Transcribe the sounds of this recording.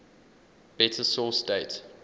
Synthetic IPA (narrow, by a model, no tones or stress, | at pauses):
b̥ɛtʰəsɔːˑsdeɪt